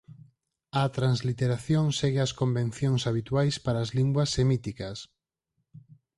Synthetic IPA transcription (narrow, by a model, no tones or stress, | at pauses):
ɐt̪ɾanzlit̪eɾaθjoŋsɛɣɪɐskombẽn̟θjoŋsaβit̪wajspaɾaːzliŋɡwɐsːemit̪ikɐs